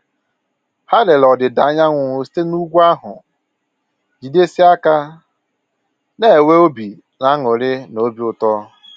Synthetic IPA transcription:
ha˦le˨lɔ˨dɪ˨da˨˦a˦ɲa˦ŋʷʊ˨ŋʊ˨si̥˦te˦nu˦ɡʷu˦a˦ɦʊ˨ | d͡ʒi˨de˦si˦a˦ka˦ | ne˦˨we˦o˦bi˨ | na˦ŋʊ˨ɾɪ˦no˨˦bi˨ʊ˨tɔ˦

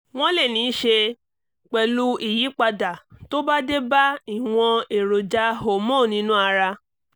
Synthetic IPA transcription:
w̃ɔ̃˦lɛ˦˨nĩ˨˦ʃe˧ | k͡pɛ˧lu˦i˦˨ji˨˦k͡pa˧da˨to˦ba˦de˦ba˦i˦˨w̃ɔ̃˧e˨ɾo˨d͡ʒa˨˦ɦo˨mõ˦˨nĩ˨˦nũ˦a˧ɾa˧

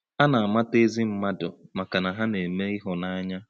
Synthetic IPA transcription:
a˦na˨a˨ma˦te˦zi˦m̩˦ma˦dʊ˨ma˨ka˨na˨ɦa˦ne˨me˦i˦ɦʊ˨na˦a˦ɲa˦

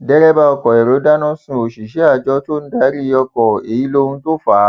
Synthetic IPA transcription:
dɛ˦ɾɛ˦ba˧ɔ˧kɔ˨ɛ˨ɾo˨˦da˦nɔ̃˦sũ˧˨o˨ʃi˨ʃɛ˨˦a˦˨d͡ʒɔ˧˦to˦n̩˦da˦ɾi˦ɔ˧kɔ˨e˨i˨˦lo˦ũ˧˦to˦˨fa˨˦

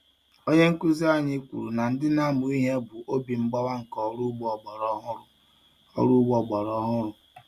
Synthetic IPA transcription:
o˦ɲe˦ŋ̩˦ku˦zi˦a˦ɲɪ˦kʷṵ˨ɾu˨na˨n̩˦dɪ˦na˦˨mʊ˨i˦ɦe˦bu˨ʔo˦bi˨ŋ͡m̩˦ɡ͡bɔ˦wa˦ŋ̩˨kɔ˨ɾu˦ɡ͡bɔ˨ɾɔ˦ɦʊ˦ɾʊ˨ | ɔ̰˦ɾu˦ɡ͡bɔ˨ɡ͡bɔ˨ɾɔ˦ɦʊ˦ɾʊ˨

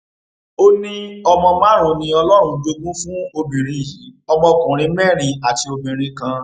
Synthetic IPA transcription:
o˦nĩ˦ɔ˧mɔ̃˧mã˦ɾ̃ũ˨˧nĩ˧ɔ˧lɔ˦ɾ̃ũ˧d͡ʒo˧ɡũ˦fũ˦o˧bĩ˨ɾĩ˨ji˨˦ɔ˧mɔ̃˧kũ˨ɾ̃ĩ˨˧˦mɛ˦˨ɾ̃ĩ˧a˨ti˧o˧mĩ˨ɾ̃ĩ˨˧kã˧

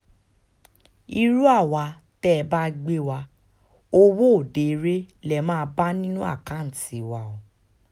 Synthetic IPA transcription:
i˧ɾu˦a˦˨wa˧ | tɛ˦˧ba˦ɡ͡be˦wa˧ | o˦wo˦o˦˨de˨˦ɾe˦lɛ˨mãː˦˧˦ba˦nĩ˦nũ˦a̰˦˨kã˨˦n̩˨ti˨wa˧o˨

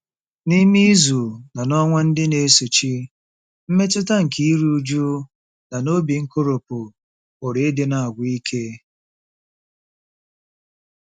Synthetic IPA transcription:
ni˦mi˦zu˨na˨nɔ˦ŋʷa˦n̩˦dɪ˦ne˦so˨t͡ʃi˦ | m̩˦me˦t͡ʃʊ˦ta˦ŋ̩˨kʰi˦i˦ɾu˦u˦d͡ʒu˦ | na˨no˦bi˨ŋ̩˦ko˦ɾo˨pʊ˨ | o˨ɾe˨e˦de˨na˨a˨ɡʷi˦kʰe˦

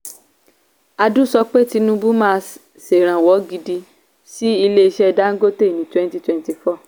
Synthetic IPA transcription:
a˧du˦sɔ˧k͡pe˦ti˧nũ˧bu˦mãː˦˧ | se˨ɾ̃ã˨wɔ˨˦ɡi˧di˧ | si˦i˧le˦i˧ʃɛ˦˧da˦ŋ̩˦ɡo˦te˦˨nĩ˨˦twɛ̃˦n˦ti˧twɛ̃˨˧n˦ti˧˨fɔ˦˨

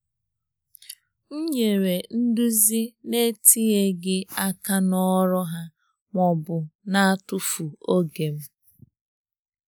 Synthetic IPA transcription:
ŋ̩˦ɲe˨ɾe˨n̩˦du˦zi˦ne˦tʰi˦e˦ɡɪ˦a˦ka˦nɔ˦ɾɔ˦ɦa˦ | ŋʷɔ˨bʊ˨na˦a˦tʊ˦fu˨o˦ɡe˨m̩˦

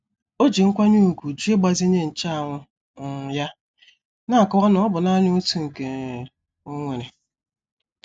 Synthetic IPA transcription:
o˦d͡ʒi˨ŋ̩˦kʷa˦ɲu˦˨ɡu˨d͡ʒu˦e˦ɡ͡ba˨zi˦ɲe˦n̩˨t͡ʃa˦a˨ŋʷʊ˦˨ | ja˦ | na˦˨kɔ˦wa˦nʊ˨˦ɔ˦bʊ˨na˦ɲʊ˦tu˨ŋ̩˨ke˨ | o˦ŋʷe˨ɾe˨

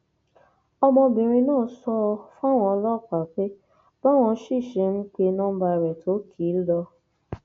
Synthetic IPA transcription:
ɔ˧mɔ̃˧bĩ˨ɾ̃ĩ˧nãː˦sɔ˧fw̃ɔ̃˧ɔ˧lɔ˦˨k͡pa˨k͡pe˦ | ba˦˨w̃ɔ̃˧˦ʃi˦˨ʃe˨˧m̩˦k͡pe˧nɔ̃ː˦ba˧i˧ɾɛ˨tʰo˨˦kʰiː˨˦lɔ˧

